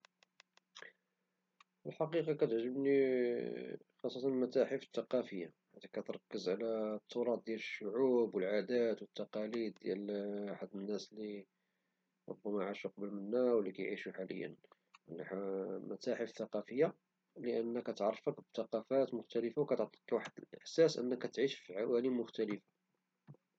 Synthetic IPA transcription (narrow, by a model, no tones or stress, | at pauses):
fəlħɑqiqɑkæt̪əʕʒəbni | xɑsˤːɑt̪ɑnlmæt̪æħəfə̥t̪ːɑqɑfəjːaħad̪ækːæt̪ɾˤɑkːəzʕlæt̪ʰˤːʊɾˤɑt̪̚d̪jæləʃːʊʕubwəlʕad̪æt̪wət̪ːɑqɑlid̪̚ːjælħad̪ːənːæsli | ɾˤo̰bːæmæʕaʃuqɑbəlmənːæwəlːikæjʕiʃuħalə̰jːə̰n | lmæ̰t̪æħəfθɑqɑfəjːa | ləʔənːəkːæt̪ʕrˤːfəkbt̪ɑqɑfæt̪mʊxt̪æləfawkæt̪ʕt̪ˤi̥qwaħəd̪əlʔəħsæsʔə̰nːəkːæt̪ʕiʃfiʕawælimʊxt̪æləfḁ